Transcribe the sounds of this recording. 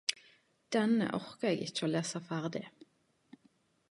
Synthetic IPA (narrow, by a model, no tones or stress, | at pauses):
d̪̥ɛnə̰ʔœʁkəeːɡɪ̰t͡ʃːəoːleːsɑfæʁd̪ɪ̰